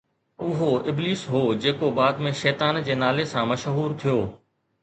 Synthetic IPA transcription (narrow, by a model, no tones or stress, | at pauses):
ʊɦoɪbliːsɦoːd͡ʑeːkobaːd̪mẽʃɛːt̪aːnd͡ʑeːnaːlesãːmɐʃɦuːɾt̪ʰijoː